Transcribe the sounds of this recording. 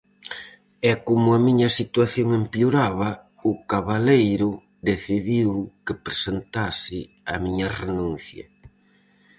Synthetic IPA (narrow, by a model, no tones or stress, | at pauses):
ɛkomʊɐmiɲɐsit̪waθjoŋempjuɾaβ̞ɐ | ʊkaβalejɾʊ | d̪eθiðiwkepɾesent̪asɪ | ɐmiɲɐrenũn̟θjɐ̰